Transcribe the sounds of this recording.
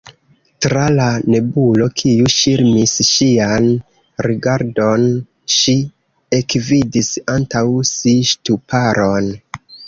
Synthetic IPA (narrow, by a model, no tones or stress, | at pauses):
tɾalane̞bulo̞kʰiuʃiɾmisʃian | ɾiɡaɾdo̞n | ʃi | ekvidisantawsiʃtupaɾo̞n